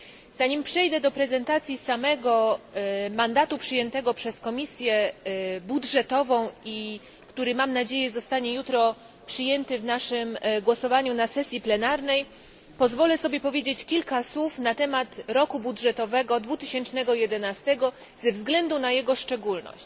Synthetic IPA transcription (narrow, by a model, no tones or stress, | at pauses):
z̥aɲimpʂɛjd̪ɛd̪ɔpɾɛzɛnt̪at̪sʲjisamɛɡɔ | mand̪at̪upʂɘjɛnt̪ɛɡɔpʂɛskɔmʲisʲjɛbudʐɛt̪ɔvɔ̃w̃i | kt̪uɾɘmamnad͡ʑejɛzɔst̪aɲɛjut̪ɾɔ | pʂɘjɛnt̪ɘvnaʂɘmɡwɔsɔvaɲunasɛsʲjiplɛnaɾnɛj | pɔzvɔlɛsɔbʲjɛpɔvʲjed͡ʑet͡ɕkʲilkaswufnat̪ɛmat̪ɾɔkubudʐɛt̪ɔvɛɡɔd̪vut̪ɘɕɛnt͡ʂnɛɡɔjɛd̪ɛnast̪ɛɡɔ | zɛvzɡlɛnd̪unajɛɡɔʂt͡ʂɛɡulnɔ̰ɕt͡ɕ